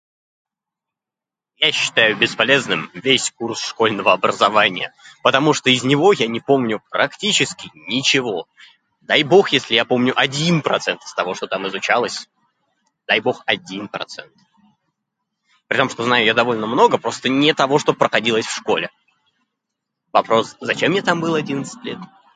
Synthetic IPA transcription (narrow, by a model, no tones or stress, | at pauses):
jaɕːɪ̥t̪ajʊbʲɪspɐlʲe̞znɨmvʲesʲkursʂko̞lʲnəvəɐbɾəzɐvanʲɪjə̰pət̪ɐmuʂt̪oɪzʲnʲɪvo̞janʲɪpo̞mnʲʊpɾɐktʲit͡ɕɪskʲɪnʲɪt͡ɕɪvo̞ | d̪ajbo̞xjesʲlʲɪjapo̞mnʲʊʔɐdʲinpɾɐ̰t̪sɛnt̪ɨ̥st̪ɐvo̞ʂt̪o̞t̪amɨzʊt͡ɕalˠəsʲ | d̪ajbo̞xɐdʲinpɾɐ̰t̪sɛ̰nt̪ | pɾʲɪt̪omʂt̪o̞znajʊjad̪ɐvo̞lʲnəmno̞ɡəpɾo̞st̪ənʲɪt̪ɐvo̞ʂt̪o̞pɾəxɐdʲilˠəsʲfʂko̞lʲɪ | vɐpɾo̞szɐt͡ɕemːnʲet̪ambɨlˠɐdʲinət̪sɨ̥tʲlʲe̞t̪